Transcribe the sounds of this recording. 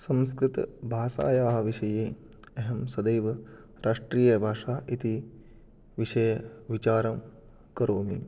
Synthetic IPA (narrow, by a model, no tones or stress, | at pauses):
sɐ̃mskɾɪt̪bʱaːʃa̰ːjaːɦɐʋiʃɐjeː | ɐɦɐmsɐd̪ejʋɐ | ɾʔaːʂʈɾiːjɐbʱaːʂaːʔit̪i | ʋiʃɐjɐʋit͡ʃaːɾɐm | kɐɾoːmḭ